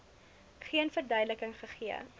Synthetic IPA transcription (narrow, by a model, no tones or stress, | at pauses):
χiənfərdœɥdləkəŋχəχiə̰